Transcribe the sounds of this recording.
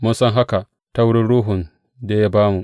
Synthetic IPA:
mʊ˦nsɔ˦ŋɦa˦ka˨ | ta˦wʊ˦ɽi˦ɽuː˦ɦʊ˨n | de˦ja˦baː˦mu˨ʔ

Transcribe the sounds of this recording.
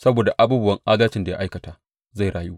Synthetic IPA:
sɐ˦boː˨da˨ʔa˦buː˦bʊ˦wɐ˦ŋʔaː˦daː˦t͡ʃɪ˦nda˨ja̰˦ʔa˦jkɐ˨taː˨ | za˦˨ɽaː˨ju˦

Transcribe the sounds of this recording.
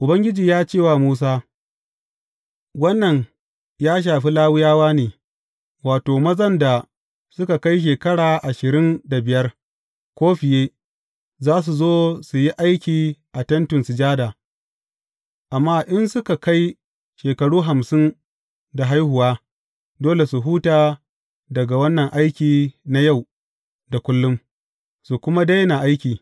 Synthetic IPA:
ʔʊ˨bɐ˦ŋɡʲɪ˦d͡ʒiː˨jaː˦t͡ʃeː˦˨wa˨muː˦s̬aː˦ | wɐ˦nːɐ˨ɲ | jaː˦ʃ̬aː˨ɸi˦laː˦wʊ˦jaː˦waː˦neː˨ | waː˨toː˨mɐ˦zɐ˦nda˨ | sʊ˦ka˨ka˦jʃ̬eː˨kɐ˦ɽaː˨ʔa˨ʃɪ˨ɾɪ˦nda˨bɪ˨jɐ˦r | kʷoː˦ɸɪ˨jeː˦ | zaː˦s̬u˨zoː˦su˨ji˦ʔa˦jkʲiː˨ʔa˨tɐ˦ntʊ˨nsu˨d͡ʒaː˦daː˨ | ʔa˨mːaː˦ʔɪ˦nsʊ˦ka˨ka˦j | ʃeː˨kɐ˨ɽuː˦ɦa˨msɪ˦n | da˨ɦa˦jhʊ˨waː˦ | doː˦le˨su˨ɦuː˦taː˨ | dɐ˨ɡa˨wɐ˦nːɐ˨ŋʔa˦jkʲiː˨na˦ja˦˨w | da˨kʷʊ˦lːʊ˦m | su˨kʷʊ˦ma˦da˦jna˨ʔa˦jkʲiː˨

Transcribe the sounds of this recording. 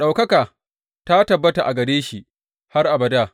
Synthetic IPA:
ɗa˨wkɐ˦kaː˨ | ta˦tɐ˨bːɐ˦ta˨ʔa˨ɡɐ˨ɽeː˦ʃi˨ | ha˦rʔa˨bɐ˨daː˦˨

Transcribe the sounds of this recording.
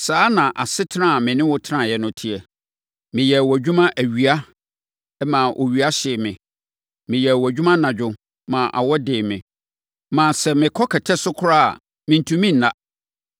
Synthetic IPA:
saː˦nã˨ʔa˨sɪ˦tʰɪ˦ã˦˨mɪ̃˨nɪ̃˦wɔ˦tʰɪ˦ã˦˨jɛ˦nʊ̃˦tʰi˦ɛ˨ | mɪ̃˨jɛ˨wɔ˨d͡ʑᶣu˦mã˦ʔæ˨ɥi˨a˦ | mã˨ʔɔ̰˨ɥɥa˦ɕɪː˨mɪ̃˨ | mɪ̃˨jɛ˨wɔ˨æ˨d͡ʑᶣu˦mã˦nã˨d͡ʑᶣʊ˨ | mã˨ʔa̰˨wɔ˦dɪː˨mɪ̰̃˨ | mã˨sɛ˨mɪ̃˨kʰɔ˦kʰɛ˨tʰɛ˦sʊ˦kʰʊ˦ɾa˦a̰˨ | mɪ̃˨n̩˨tʰũ˨mĩ˦n̩˨nã˦˨

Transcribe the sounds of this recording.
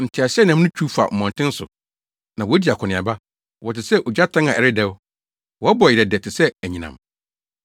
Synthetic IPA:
n̩˨tʰɪ˨a˨sɪ˦ɛ˦nã˨m˦nʊ̃˦t͡ɕᶣʰu˦fa̰˨m̩˨mɔ̃˨n˨tʰɪ̃˦n̩˦sʊ̰˨ | nã˨wɔ˨˦æ˦di˨a˨kʰʊ˨nɪ̃˨a̰˨ba˦ | wɔ˨tɪ˨sɛ˦ʔo˨d͡ʑa˦tʰã˦ŋã˨ɛ˨ɾɪ˦dɛ˦w | wɔ˨a˦bɔ˨ɪ˨ɾɛ˨dɛ˨tʰɪ˨sɛ˦æ˨ɲĩ˨nã̰˨m

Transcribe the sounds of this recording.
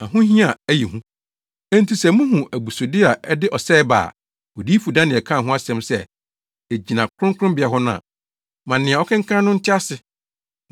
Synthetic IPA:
nã˨ɦʊ̃˦ɦĩ˦a˨æ˦ji˨hũ˦ | æ̃˦n̩˦tʰi˨sɛ˦˨mũ˦ɦũ˨ʔæ˨bu˨so˨dɪ˦a˨ʔɛ˦dɪ˦ʔɔ˨sɛː˦ba̰ː˨ | ɔ˨diː˦fu˨dã˦nɪ̃˨ɛ˨kʰã˦˨ɦʊ̃˦a˦sɛ̃˦msɛ˦˨ | e˨d͡ʑi˨nã˨kʰɾʊ̃˦ŋkʰʊ̃˦mbɪ˨a˨ɦɔ˦nʊ̃˦a̰˨ | mã˨nɪ̃˨ɛ˨ɔ˦kʰɛ̃˦ŋ̩˦kʰã˦nʊ̃˦n̩˦tʰɪ˦a˦sɪ˨

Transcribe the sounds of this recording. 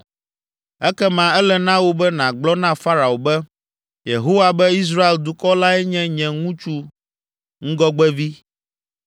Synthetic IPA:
ɛ˦kɛ˦mã˨ɛ˦lɛ˨nã˦wo˦bɛ˦nã˨ɡ͡blɔ˦nã˦fa˦ɾa˨o˨bɛ˦ | je˨ɦo˦wa˨bɛ˦i˦s̬ɾa˦e˨ld̪u˨kɔ˦la˦ɛ˦ɲɛ̃˦ɲɛ̃˨ŋũ˦t͡ʃu˦ | ŋ̩̃˦ɡɔ˦ɡ͡bɛ˦vi˦

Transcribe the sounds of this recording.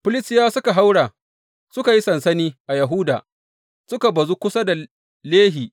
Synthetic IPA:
pʊ˦lɪ˦sjaː˦sʊ˦ka˨ɦa˦wɽaː˨ | sʊ˦ka˨ji˦sɐ˨nsɐ˦niː˦ʔa˨jɐ˨ɦʊ˦daː˨ | sʊ˦ka˨bɐ˨zu˦kʷʊ˦sa˦da˨ | leː˦ɦiː˨

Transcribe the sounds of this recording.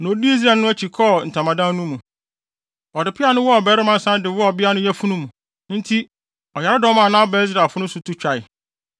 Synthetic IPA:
nõ˨˦di˦i˦s̬ɾa˨nʊ̃˦æ˦t͡ɕʰi˨kʰɔ˦˨n̩˨tʰã˨mã˨dã˦nũ˦mũ˨ | ɔ˨dɪ˨pʰɪ˦a˦nʊ̃˦wɔ˦ɔ˨bɛ˦ɾɪ˦mã˦n˦sã˦dɪ˨wɔ˦ɔ˨bɪ˦a˦nʊ̃˦jæ˦fũ˦nũ˦mũ˨ | n̩˦tʰi˦ | ɔ˨ja˨ɾɪ˦dɔ̃˨˦mã˦˨nãː˦ɔ˦bɛ˦s̬ɾa˨fʊ˦nʊ̃˦sʊ˨tʰu˦t͡ɕᶣa˨ɪ˨

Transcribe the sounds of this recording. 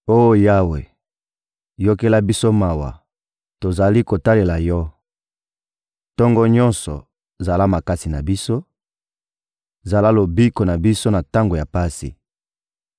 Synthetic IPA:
o˦jo˦˨ja˦we˨ | jo˦ke˦la˦bi˦so˦ma˨wa̰˨ | to˨za˨li˦ko˨ta˦le˨la˨jɔ˦ | tɔ˦ŋɡɔ˦ɲɔ̃˦nsɔ̰˨ | za˨la˦ma˨ka˦si˨na˨bi˦so˦ | za˨la˦lo˨bi˦ko˨na˨bi˦so˦na˨ta˦ŋɡo˨ja˨pa˦sḭ˨

